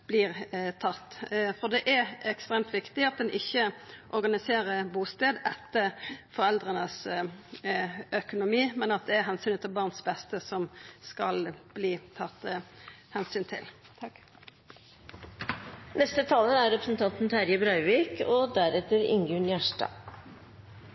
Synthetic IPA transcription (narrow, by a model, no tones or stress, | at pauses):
b̥liːʁt̪ʰɑt̪ːfɔʁd̪ɛʔæɛkst̪ʁeːmt̪ʋɪkt̪ɪɑt̪̚d̪ɛnʔɪçːəʔɔɾɡɑnɪseːɾəbuːst̪eːd̪ɛt̪ːəfɔʁɛld̪ʁənəs | œkʊnʊmiːmɛnɑt̪̚d̪ɛæɦɛnsyːnət̪ːɪlbɑːʁnsbɛst̪əsɔmskɑlb̥liːt̪ʰɑt̪ːəhɛnsyːnt̪ʰɪ̰l | nɛst̪ət̪ʰɑːləæɾɾɛpɾəsn̩t̪ʰɑnt̪n̩t̪ʰæɾjəbɾɑʏʋiːkɔd̪æɾɛt̪əɾɪ̰ŋɡʉɳjæʂʈɑ̰